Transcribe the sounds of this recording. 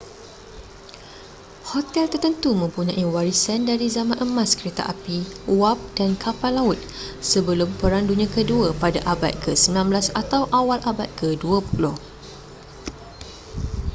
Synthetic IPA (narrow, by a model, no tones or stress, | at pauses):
hot̪ɛlt̪ərt̪ənt̪umə̃mpuɲãʔiwaɾisandaɾizamãnʔəmãskəɾet̪a̰ʔapiwap̚d̥ankʰapalːaʊt̪̚ | səbəlʊmpəɾaŋdunĩãkəduəpadaʔaba̰t̪̚kʰəsəmbilãmblasat̪awʔawalʔabat̪̚kʰəduəpulʊh